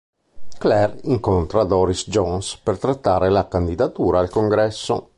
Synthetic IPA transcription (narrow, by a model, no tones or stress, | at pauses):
klɛriŋkont̪ɾad̪ɔːɾisd͡ʒɔnspert̪ɾat̪ːaːɾelakand̪id̪at̪uːɾaːlkoŋɡɾɛsːo̰